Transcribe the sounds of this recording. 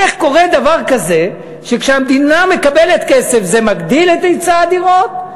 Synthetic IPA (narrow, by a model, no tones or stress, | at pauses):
eχko̞ʁe̞d̪avaʁkaze̞ | ʃekʃeamd̪iname̞kabele̞t̪kese̞fzemaɡd̪ilet̪ejt͡saːd̪iʁo̞t̪̚